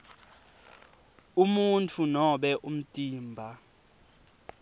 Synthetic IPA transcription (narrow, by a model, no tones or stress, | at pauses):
umuntʰunɔɓɛʔum̩tʼiːmbʱa